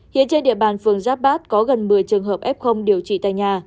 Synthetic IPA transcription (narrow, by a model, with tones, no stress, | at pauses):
hḭ˧˨ənt͡ɕe˧nɗḭ˧˨əɓaː˨˩nfɨ˨˩əŋzaː˦˥p̚ɓaː˦˥t̚kɔ˨˦ɣə˨˩nmɨ˨˩əjt͡ɕɨ˨˩əŋɦəː˨˩p̚ʔɛ˦˥p̚xə˧wŋ͡mɗi˨˩əwt͡ɕḭ˧˨t̪a̰ː˧˨jɲaː˨˩